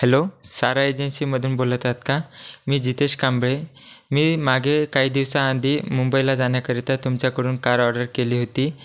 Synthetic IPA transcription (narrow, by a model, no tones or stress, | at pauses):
helosaɾaed͡ʑənsiːməd̪ʱuːnbolt̪at̪kamiːd͡ʑit̪eɕkãmbɭemiːmaɡʱekaɦiːd̪iʋsaːnd̪ʱiːmumbəilad͡zaɳjakəɾit̪at̪umt͡ɕjakəɽuːnkaɾɔɖəɾkeliːɦot̪iː